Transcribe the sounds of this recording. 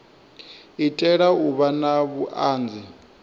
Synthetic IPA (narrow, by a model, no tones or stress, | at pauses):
itʼɛɺauβanaβuʔaːnd͡zʱi